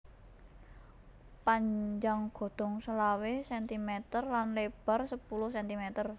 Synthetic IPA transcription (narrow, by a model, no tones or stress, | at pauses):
paɲd͡ʒaŋɡ̥o̤d̪̥ɔ̤ŋsəlawesɛnt̪imet̪ərlanleb̥a̤rsəpulʊhsɛnt̪imet̪ər